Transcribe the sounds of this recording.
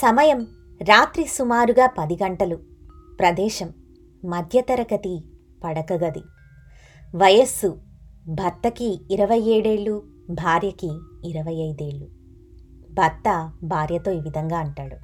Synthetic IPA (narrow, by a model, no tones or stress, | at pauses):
sɐmɐjɐm | ɾaːt̪ɾisumaːɾuɡaːpɐd̪iɡɐɳʈɐlu | pɾɐd̪ɛːʃɐmː | ɐd̪ʱjɐt̪ɐɾɐkɐt̪i | pɐɽɐkɐɡɐd̪i | ʋɐjɐsubʱɐt̪ːɐkiːɾɐʋɐjeːɽe̞ːɭːu | bʱaːɾjɐkiːɾɐʋɐjɐjd̪e̞ːɭːu | bʱɐt̪ːɐbʱaːɾjɐt̪o̞ːiːʋid̪ʱɐŋɡaːɳʈaːɽu